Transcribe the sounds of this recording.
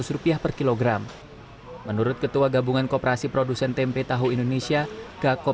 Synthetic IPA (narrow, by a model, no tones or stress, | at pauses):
ʊsɾupiahpərkiloɡɾamː | ənuɾʊt̪̚kət̪uaɡabuŋankopəɾasipɾodusɛnt̪ɛmpet̪aɦuindonesiaɡakɔ